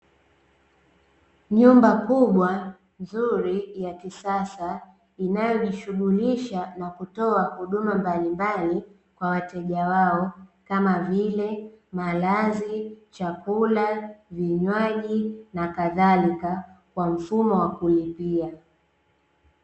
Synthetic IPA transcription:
ɲumbakuɓwa | nzuɾijakisasa | inajɔʄiʃuɠuliʃanakutɔahuɗumambalimbali | kwawatɛʄawaɔkamavilɛmalazit͡ʃakulaviɲwaʄinakaðalikakwam̩fumɔwakulipia

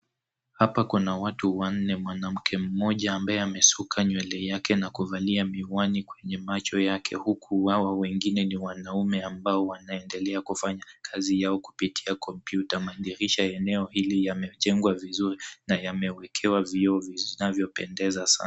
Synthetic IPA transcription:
hapakunawatuwan̩nɛmwanam̩kʰɛm̩mɔʄaːmbajɛamɛsukʰaɲwɛlɛjakɛnakuvaliamiwanikwɛɲɛmat͡ʃɔjakʰɛ̰hukʰuwawawɛŋɡinɛniwanaumɛambaɔwanaɛndɛlɛakufaɲakʰazijaɔku̥pitʰiakɔmpjutamaniɾiʃaɛnɛɔhilijamɛʄɛŋɡwavizuɾinajamɛwɛkʰɛwaviɔviinavjɔpɛ̰ndɛzasa̰n

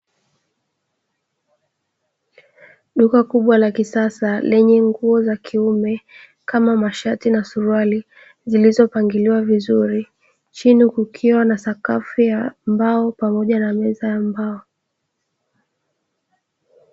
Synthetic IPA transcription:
ɗukakuɓwalakisasalɛɲɛŋɡuɔzakʰiumɛ | kamamaʃatinasuɾuali | zilizɔpaŋɡiliwavizuɾi | t͡ʃinikukʰiwanasakafijambaɔpamɔʄanamɛzajambaɔ

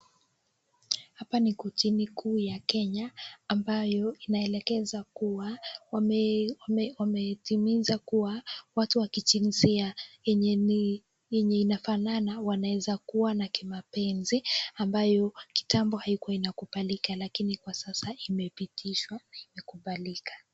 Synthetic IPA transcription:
hapanikutinikʰuːjakɛɲaːmbajɔinaɛlɛkɛzakua | wamɛtimizakuwawatuwakit͡ʃinziaɛ | ɛɲɛinafananawanawɛzakuwanakimapɛnziambajɔki̥tambɔhaikuwainakuɓalikalakinikwasasaimɛpitʰiʃwanaimɛkuɓalikḁ

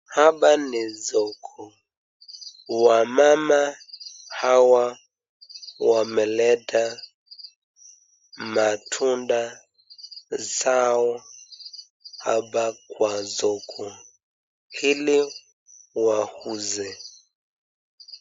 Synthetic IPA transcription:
habanɛzɔkʰɔ | wamamahawa | wamɛlɛda | matʰunda | zawɔ | habakwazɔkʰɔ | ili | wahuzɛ

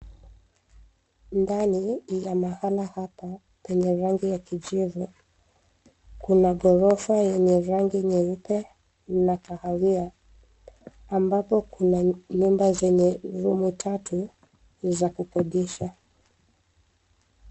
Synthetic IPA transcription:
ndanijamahalahapa | pɛɲɛɾaŋɡijakid͡ʒivu | kunaɠɔɾɔfajɛɲɛɾaŋɡiɲɛɾupɛ | nakahawia | mbapɔkunaɲumbazɛɲɛɾumutʰatu | zakupɔɗiʃa

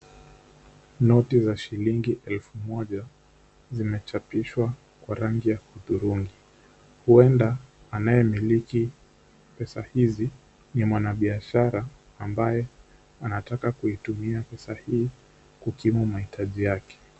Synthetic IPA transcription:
nɔtizaʃiliŋɡiʔɛlfumɔʄa | zimɛt͡ʃapiʃwa | kwaɾaŋɡijakuðuɾuŋɡi | huɛndaː | najɛmiliki | pɛsahizi | nimwanaɓiaʃaɾaː | mbajɛ | anatakakuitumiapɛsahiː | kukimumahitʰaʄijakɛ̥

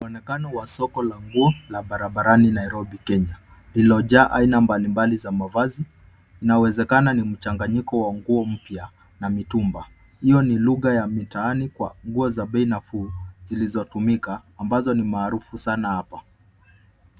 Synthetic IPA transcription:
wanɛkanɔwasɔkɔlaŋɡuɔlaɓaɾaɓaɾaninaiɾɔbikɛɲa | lilɔʄaːʔainambalimbalizamavaziː | nawɛzɛkananim̩t͡ʃaŋɡaɲikɔwaŋɡuɔm̩pja | namitumba | hijɔniluɣajamitaanikwa̰ŋɡuɔzaɓɛinafuzilizɔtumikaːmbazɔnimaːɾufusanahapa

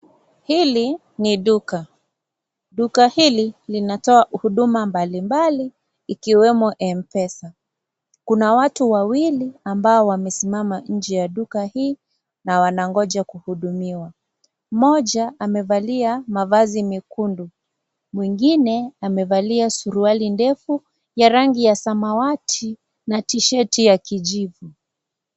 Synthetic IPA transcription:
hili | niɗuka | ɗukahililinatɔahuɗumambalimbaliː | kiwɛmɔʔɛmpɛsa | kunawatuwawiliambaɔwamɛsimamaɲ̩d͡ʒɛjaɗukahiː | nawanaŋɡɔʄakuhuɗumiwa | mɔʄaʔamɛvaliamavazimikundu | mwiŋɡinɛamɛvaliasuɾualindɛfu | jaɾaŋɡijasamawatʰi | natiʃɛtijakiʄivu

